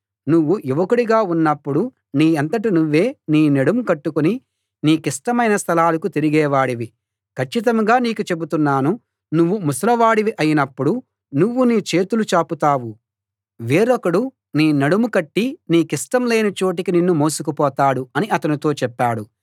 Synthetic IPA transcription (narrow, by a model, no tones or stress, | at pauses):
nuʋːuʔiʋɐkuɽiɡaːunːɐpːuɽu | niːɐnt̪ɐʈ̬inuʋːe̞ːniːnɐɽumukɐʈːukuni | niːkiʂʈɐmɐjnɐst̪ʰɐlaːlɐkut̪iɾiɡɛːʋaːɽiʋi | kʰɐt͡ʃːit̪̬ɐmɡaːniːkut͡ʃe̞but̪unːaːnu | nuʋːumusɐlɐʋaːɽiʋiʔɐjinɐpːuɽu | nuʋːuniːt͡ʃe̞ːt̪ulut͡ʃaːput̪aːwu | ʋeːɾɔkɐɽu | niːnɐɽumukɐʈːiniːkiʂʈɐmle̞ːnit͡ʃoːʈ̬ikininːumo̞ːsukupɔːt̪aːɽuɐniʔɐt̪ɐnit̪o̞ːt͡ʃɛpːaːɽu